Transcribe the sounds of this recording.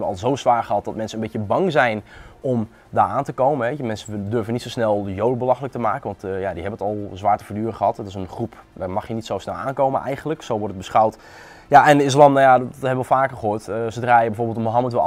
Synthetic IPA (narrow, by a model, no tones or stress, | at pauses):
bənɔ̰lˠzowsʋaːɹχəɦɑt̚dɔtmɛnsənənmbejəbɑŋzɛjnʔɔm | daːɹaːntəkowmənɦɛmɛnsədørvənitsowsnɛlˠəjowdəbəlɑxələk̚təmaːkənʋɑntjadiɦɛbənətɔlˠzʋaːɹtəfoɹdyːrəχəɦɑtətɪsənχrup | daːɹmɑχjənitsowsnɛlˠʔa̰ːnkowmə̰nʔɛ̰jχənləksowʋɔɹtət̚bəsχawt | jaʔɛnɪs̬lɑmnajathɛbəɔlˠfaːkəəχəɦoːtəsədraːjəbɛjfoːɹbɪlˠtməɦɑmətʋə